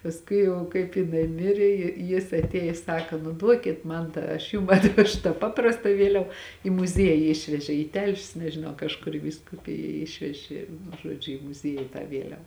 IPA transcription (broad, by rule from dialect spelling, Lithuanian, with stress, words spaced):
pɐsˈkʊɪ ˈjɛʊ kɐɪp jɪˈnɐɪ ˈmʲɪrʲeː jɪ ˈjɪs ɐtʲˈeːjɪs ˈsɑːkɐ nʊ ˈduɔkʲɪt ˈmɐn tɑː ɐʃ ˈjʊm ɐtʲˈʋʲæːʃʊ tɑː ˈpɑːprɐstɐ ˈʋʲiɛlʲɛʋɐ ɪ mʊˈzʲiɛjɪ ˈɪʃʲʋʲɛʒʲeː iː ˈtʲɛlʲʃʲʊs nʲɛʒʲɪˈnɐʊ kɐʃˈkʊr iː ʋʲiːskʊˈpʲɪjɛ ˈɪʃʲʋʲɛʒʲɪ nʊ ˈʒuɔd͡ʒʲʊ ɪ mʊˈzʲiɛjɪ tɑː ˈʋʲiɛlʲɛw